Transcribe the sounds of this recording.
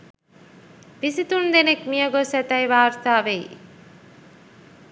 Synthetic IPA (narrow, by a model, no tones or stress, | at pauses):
pisit̪und̪enekmijəɡosɛt̪ɐjʋaːɾt̪aːʋej